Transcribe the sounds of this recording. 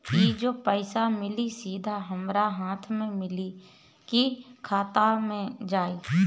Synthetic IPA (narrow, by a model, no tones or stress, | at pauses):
kid͡ʒoːpəɪsamɪlisiːd̪ʱaɦəmɾaɦaːt̪ʰmẽmɪli | kikʰaːt̪amẽd͡ʒaːi